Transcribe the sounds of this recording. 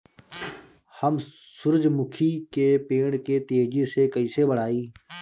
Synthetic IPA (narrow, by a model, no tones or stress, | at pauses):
həm | sʊɾd͡ʒmʊkʰiːkeːpeːɳkeːt̪eːd͡ʒeːseːkəiːseːbəɽ̤aːiː